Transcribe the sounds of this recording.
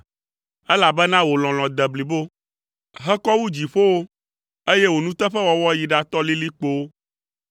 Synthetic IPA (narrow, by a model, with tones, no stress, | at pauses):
ɛ˦la˨bɛ˦nã˦wo˨l̃ɔ̃˨l̃ɔ̃˨d̪ɛ˨bli˨bo˦ | ɦɛ˦kɔ˦wu˦d͡ʑi˨ɸo˦wo˦ | e˦je˦wo˨nũ˦t̪ɛ˦ɸɛ˦wɔ˦wɔ˦ji˨ɖa˦t̪ɔ˦li˦li˦k͡po˦wo˦